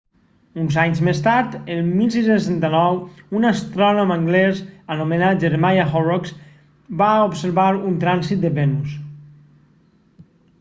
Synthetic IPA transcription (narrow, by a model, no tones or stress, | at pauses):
unzaɲzmest̪aɾt̪əlˠmilˠsisensɛnt̪anɔwunast̪ɾɔnomaŋɡlɛzanumenat̪̚d͡ʒeɾmajaxɔrɔks | baopseɾβaɾunt̪ɾansit̪̚d̪əβɛnus